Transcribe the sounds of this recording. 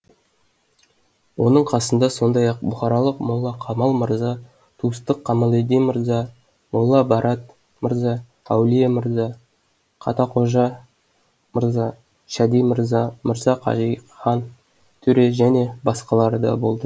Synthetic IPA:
wo̞nəɴqʰɑsənd̪ɑso̞nd̪ɑjɑq̚bʊχɑɾɑlˠəqmʊlˠːɑqʰɑmɑlˠməɾzɑ | t̪ʰuəst̪əqʰːɑmɑlˠed̪ijməɾzɑ | mʊlˠːɑbɑɾɑt̪̚ | məɾzɑ | æwlijeməɾzɑ | qʰɑ̰t̪ɑqʰo̞ʒɑ | məɾzɑ | ʃæd̪ijməɾɑməɾzɑqʰɑ̰ʒijχɑn | t̪ʰɵɾe̞ʒæne̞bɑsqɑlˠɑɾəd̪ɑ̰bo̞lˠd̪ə

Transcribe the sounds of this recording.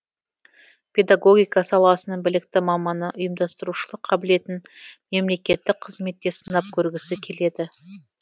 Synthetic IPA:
pʲʰe̞d̪aɡo̞ɡʲijkɑsɑlˠɑsənəɴbɪlɪk̚t̪ɪmɑmɑnəʔʊjəmd̪ɑst̪əɾuʃəlˠəqʰːɑbɪle̞t̪ɪnme̞mle̞kʲe̞t̪ːɪk̚qʰəzme̞t̪ːe̞sənɑp̚kʲʰɵɾɡʲɪsɪkʲʰe̞le̞d̪ɪ

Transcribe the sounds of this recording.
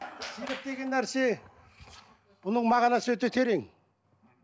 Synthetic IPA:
silɪp̚d̪eɡʲenːæɾse | b̥ʊnəŋmaʁɑlasəwøt̪et̪ʰeɾeŋ

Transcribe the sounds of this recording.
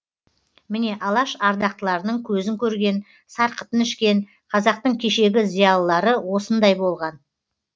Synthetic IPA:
mɪne̞ʔɑlˠɑʃɑɾd̪ɑq̚t̪əlˠɑɾənəɴkʲʰɵzɪŋkʲʰɵɾɡʲe̞n | sɑɾqə̥t̪ənɪʃkʲe̞n | qʰɑzɑq̚t̪əɴkʲʰe̞ʃe̞ɡʲɪzijɑlˠəːɑɾəwo̞sənd̪ɑjbo̞lˠʁɑn

